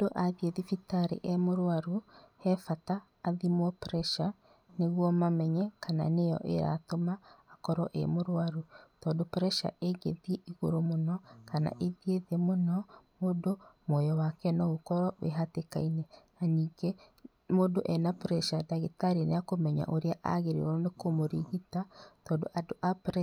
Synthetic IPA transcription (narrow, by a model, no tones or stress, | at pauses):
doʔaðieðifitaɾḛʔɛmoɾwaɾuhɛfataː | ðimwɔpɾɛʃa | neɣwɔmamɛɲɛkana̰nejɔ̰ʔeɾa̰tomaːkɔɾɔ̰ʔḛmoɾwaɾutɔːdopɾɛʃa̰ʔeɡḛðieʔiɣoɾomonɔkana̰ʔeðieðemonɔmoːdomwɔjɔwakɛnɔokɔɾɔwḛɦatekainɛnaniːɡe | moːdoʔɛnapɾɛʃadaɣitaɾinḛjakomɛɲa̰ʔoɾeaʔa̰ɣeɾḛɾɔɔnekomoɾiɣitatɔːndoʔadoʔapɾɛ